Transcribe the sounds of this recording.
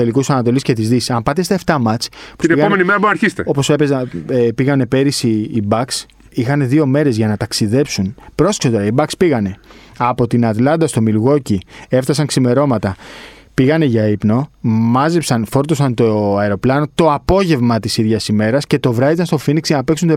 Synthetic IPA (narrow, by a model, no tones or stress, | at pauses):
elikussɐnɐt̪o̞lisce̞t̪izðisi̥sɐmpɐt̪est̪ɐeft̪ɐmɐt͡spu̥ineiɣɐomenimeɾɐboɾnɐɾçist̪eo̞posepezɐepiɣɐne̞pe̞ɾisiːbɐks | ixɐne̞ðio̞me̞ɾe̞zʝɐnɐt̪ɐksiðe̞psunpɾo̞se̥ksot̪oɾɐibɐkspiɣɐne̞ɐpo̞t̪inɐt̪lɐnd̪ɐst̪o̞milɣo̞cie̞ft̪ɐsɐŋksime̞ɾo̞mɐt̪ɐ | piɣɐne̞ʝɐipno̞mɐzepsɐnfo̞ɾt̪o̞sɐnt̪oɐeɾo̞plɐno̞t̪o̞ɐpo̞ʝe̞vmɐt̪isiðʝɐsime̞ɾɐsce̞t̪o̞vɾɐðit̪ɐnst̪o̞finiksʝɐnɐpe̞ksunt̪o